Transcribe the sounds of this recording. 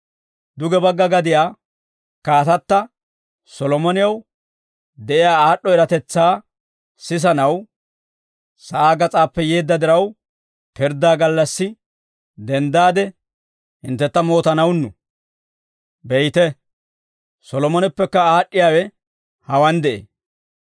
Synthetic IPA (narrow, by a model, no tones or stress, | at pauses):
d̪ʊɡɛbɐɡːɐɡɐd̪ɪjaː | kaːt̪ɐt̪ːɐ | sɔlɔmɔnɪjɐw | d̪ɛʔɪjaːaːɗːɔɛɾɐt̪ɛt͡sːaː | sɪs̬ɐnɐw | sɐʔaːɡɐt͡sʼaːpːɛjeːd̪ːɐd̪ɪɾɐw | pɪɾd̪aːɡɐlːɐsːɪ | d̪ɛnd̪aːd̪ɛ | hɪnt̪ːɛt̪ːɐmo̞ːt̪ɐnɐwnːʊ | bɛjt̪ɛ | sɔlɔmɔnɛpːɛkːɐaːɗːɪjaːwɛ | hɐwɐnd̪ɛʔḛː